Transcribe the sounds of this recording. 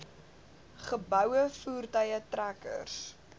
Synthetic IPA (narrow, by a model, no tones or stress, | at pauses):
χəbœwəfuːrtəjətrækə̰rs